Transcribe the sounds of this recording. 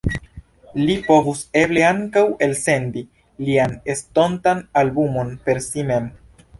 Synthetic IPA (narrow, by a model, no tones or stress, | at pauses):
lipo̞vuse̞ble̞aŋkawe̞lse̞ndi | liane̞sto̞ntanalbumo̞npe̞ɾsime̞m